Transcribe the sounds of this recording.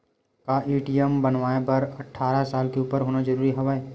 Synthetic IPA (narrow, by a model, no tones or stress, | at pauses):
kaʔiːʈijəmbɐnʋaːepɐɾɐʈʰːaːɾasaːlkeuːpəɾɦoːnad͡ʒɐɾuːɾiɦɐʋaːeː